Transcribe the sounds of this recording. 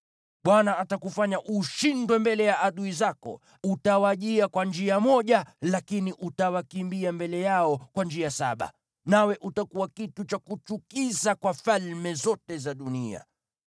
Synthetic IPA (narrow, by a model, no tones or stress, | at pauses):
ɓwanaatakufaɲaʔuʃindwɛmbɛlɛjaʔːɗuizakɔ̰ | utawaʄiakwand͡ʒiamɔʄalakiniʔutawakimbiambɛlɛjaɔkwand͡ʒiasa̰ɓa̰ | nawɛʔutakuwakitut͡ʃakut͡ʃukizakwafalmɛzɔtɛzaɗunia̰